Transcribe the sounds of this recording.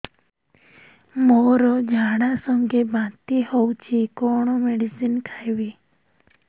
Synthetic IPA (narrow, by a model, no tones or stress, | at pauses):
moɾod͡ʒʱaɽ̃asɔ̃ŋɡebãt̪ihɔwt͡ʃʰikoɳ̃ɔmeɽisinkʰajʋi